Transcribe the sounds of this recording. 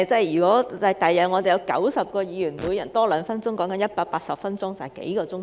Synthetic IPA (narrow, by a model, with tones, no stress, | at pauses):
t͡sɐ˥˨jjyː˨˩kɔː˨˥ɐ˨t̪ɐ˨jːɐ˨˩ŋɔː˨˧d̪e˨˩jɐ˨˧wkɐ̰˨˥wsɐ˨p̚kɔː˧jiː˨˧jyː˨˩nmuː˨˧jɐ˨˩nt̪ɔː˥lœː˨˧˥ŋfɐ˥nt͡sʊ˥ŋkɔː˨˥ŋkɐ˧˥njɐ˥t̚paː˧k̚paː˧t̚sɐ˨p̚fɐ˥nt͡sʊ˥ŋt͡sɐ˨˩hɛ˨jkḛ˨˥jkɔː˧t͡sʊ˥ŋ